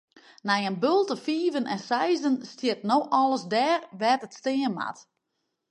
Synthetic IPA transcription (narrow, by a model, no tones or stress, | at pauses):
nɛjənbølˠtəfiːvənʔɛnsɛjzənstjɪtnowʔɔləsdɛːrʋɛtətstɪənma̰t